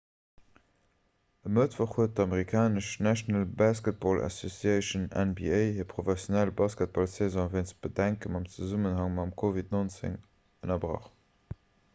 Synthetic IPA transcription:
əmətfoχhuət̚dəɑmeʁikʰaːnəʃnæʃnəlbaːskət̚bolʔa̰sosiɛɪʃənɛ̰nbieɪhiːpʰχofɛsjonælbaːskət̚b̥olsezɑ̃veɪnt͡sb̥ədæŋkəmɑmt͡səzumənhɑŋmɑmkʰovitnont͡sḛŋ | ənɐbʁɑ̰χ

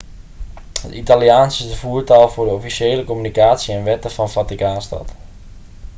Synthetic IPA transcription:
hətitaliaːnsɪzdəfuəɹtalˠfʊːdəɔfiseːləkomynikaːtsiɛnʋɛtəfɔnfatikaːnstɔ̰t

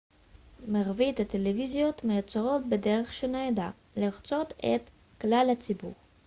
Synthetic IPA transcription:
maʁvit̪at̪elevizjo̞t̪mejat͡saʁo̞t̚bedeʁeχʃeneed̪a | liʁt͡so̞t̪et̪ | klalhat͡sibṵʁ

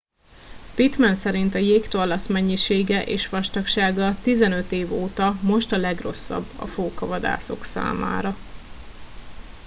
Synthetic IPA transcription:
pit̪mɛnsɛɾint̪ɒjeːkt̪olɒsmɛɲːiʃeːɡɛʔeːʃʋɒʃt̪ɒkʃaːɡɒt̪izɛnø̞t̪eːvoːt̪ɒmo̞ʃt̪ɒlɛɡro̞̰sːɒ̰bːɒ̰foːkɒvɒd̪a̰ːso̞ksa̰ːma̰ːɾɒ

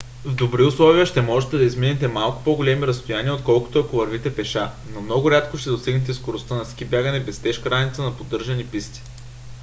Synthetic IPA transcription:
vd̪obɾiʊslˠɔviəʃt̪ɛmɔʒɛt̪ɛd̪ɐizminɛt̪ɛmalˠkʊ̥poɡolɛmiɾɐst̪ojaniəot̪̚kɔlˠkʊ̥t̪oɐkʊvɐɾvit̪ɛpɛʃa | nomnɔɡʊɾʲat̪koʃt̪ɛd̪osɛɡnɛt̪̬ɛskoɾʊst̪anɐskʲibʲjaɡənɛbɛst̪ɛʃkɾanit̪sənɐpod̪ːɤɾʒɐnipist̪i̥

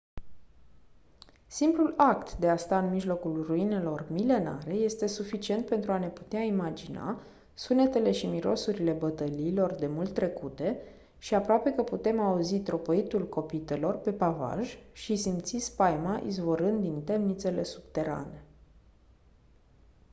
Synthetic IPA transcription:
simplulakt̪d̪e̞ast̪aɨnmiʒlo̞kulruine̞lo̞rmile̞na̰ɾe̞je̞st̪e̞sufit͡ʃie̞nt̪̚pe̞nt̪ɾuane̞pu̥t̪eaimad͡ʒina̰ | sune̞t̪e̞le̞ʃimiɾo̞̰suɾile̞bət̪əliːlo̞rd̪e̞mult̪ːɾe̞kut̪e̞ | ʃiapɾoape̞kəput̪e̞mauzit̪ɾo̞po̞it̪ulko̞pit̪e̞lo̞rpe̞pava̰ʒʃisimt̪sispajmaʔḭzvo̞ɾɨnd̪̚d̪int̪e̞mnit̪se̞le̞sub̥t̪e̞ɾa̰ne̞

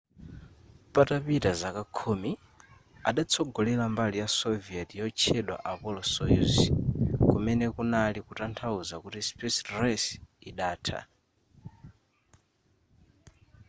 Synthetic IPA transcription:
patapitazakakʰumi | a̰ɗat͡sʰɔɡɔlɛlambalijasɔviɛtijɔt͡ʃʰɛɗwa̰ʔapɔlɔsɔjus | kumɛnɛkunalikutantʰauzakutispɛsrɛsiɗaːtʰa̰

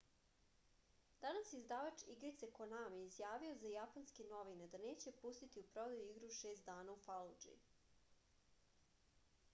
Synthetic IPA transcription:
d̪̥anasjeizd̪aʋat͡ʃiɡɾit̪sekonamjeizjaːʋiozajapanskeno̞ʋinad̪ane̞ːt͡ɕe̞pust̪it̪iupɾo̞d̪ajuiɡɾuʃeːst̪d̪aːnaufalˠud͡ʒḭ

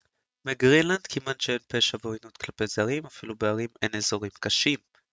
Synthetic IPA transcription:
meɡʁinland̪kʰimanʃeenpeʃaveojnut̪klape̞jzaʁimafilubeaʁime̞nezo̞ʁimkaʃim

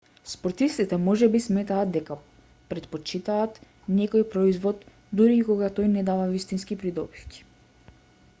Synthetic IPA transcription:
spɔɾt̪ist̪it̪ɛmɔʒɛbismɛt̪aːd̪̚d̪ɛka | pɾɛt̪̚pɔt͡ʃit̪aːt̪ | nɛkɔjpɾɔizvɔt̪ | d̪uɾiːkɔɡat̪ɔjnɛd̪avavist̪inskipɾid̪ɔbifcʲi̥

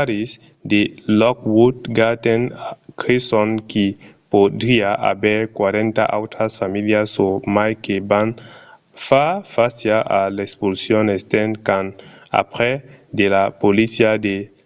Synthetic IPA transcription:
aɾis | d̪elɔkwud̪ɡat̪enkɾisoŋkipod̪ɾiaʔa̰bɛɾkwaɾẽnt̪a̰ʔa̰wt̪ɾasfamiljasːomajkeban | fafasjaʔalekspulsjonest̪enkana̰pɾed̪elapolisjad̪e

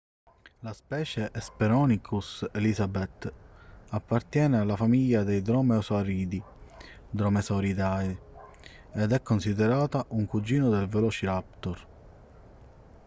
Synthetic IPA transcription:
laspɛːt͡ʃeʔɛspeɾɔːnikʰusɛlizabɛt̪ː | apːart̪jɛːnealːafamiʎːad̪ejd̪ɾɔmeɔsaɾiːd̪i | d̪ɾɔmɛsɔɾid̪ai | ed̪ɛkːonsid̪ɛɾaːt̪aʔuŋkud͡ʒiːnod̪elvɛlɔːt͡ʃiɾap̚t̪oɾ

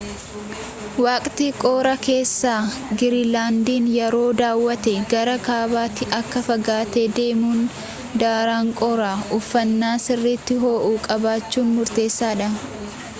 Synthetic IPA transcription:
waːkʼt̪iːkʼoːɾɐke̞ːsːaːɡɪɾilaːnd̪iːnjɛɾo̞ːd̪aːwːɐt̪ɛɡɐɾɐkaːbaːt̪ːɪʔɐkːɐfɐɡaːt̪eːd̪e̞ːmuːn | d̪aːɾaːŋkʼɔɾaːʔʊfːɐnːaːsɪrːɪt̪ːɪɦo̞ːʔuːkʼɐbaːt͡ʃːuːnmʊɾt̪e̞ːsːaːᶑɐ

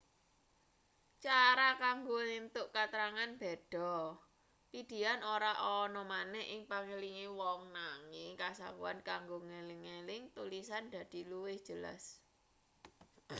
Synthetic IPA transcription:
t͡ʃaɾakaŋɡonint̪ʊʔkat̪ɾaŋanb̥ed̪̥ɔ̤ | pid̪̥i̤anoɾaʔɔnɔmanɛhʔɪŋpaŋeliŋiwɔŋnaŋikasa̰kṵa̰nkaŋɡoŋelɪŋːelɪŋt̪ulisand̪̥a̤d̪̥i̤luwɪhd̥ʒ̥ə̤la̰s

